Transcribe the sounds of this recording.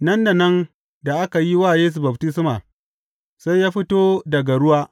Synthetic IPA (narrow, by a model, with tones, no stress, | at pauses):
nɐ˦nda˨nɐ˦n | da˨ʔa˦ka˨ji˦waː˦˨jeː˦s̬u˨bɐ˨btɪ˦s̬maː˨ | sa˦jjaː˦ɸi˦toː˦dɐ˨ɡa˨ɽʊ˦waː˦